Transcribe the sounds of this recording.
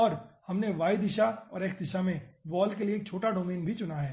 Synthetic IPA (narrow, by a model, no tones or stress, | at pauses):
ɔːɾhɐmneʋaːid̪ɪʃaɔ̰ːɾeːk̚ʰd̪ɪʃamẽʋɔːlkelieːk̚t͡ʃʰoːʈaɖoːmeːnbʱit͡ʃʊnaɦɛː